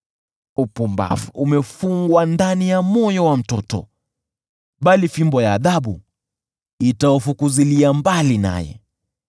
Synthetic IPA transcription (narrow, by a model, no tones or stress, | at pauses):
upumba̰fumɛfuŋɡwandanijamɔjɔwam̩tɔtɔ̰ | ɓalifimbɔjaːðaɓu | itaɔfukuziliambalina̰jɛ̰